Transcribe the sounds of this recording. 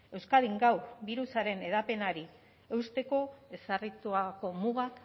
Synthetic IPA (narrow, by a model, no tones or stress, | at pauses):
e̞wskaðiŋɡawbiɾusaɾe̞ne̞ð̞ape̞naɾi | e̞wst̪e̞ko̞e̞sarit̪uako̞muɣak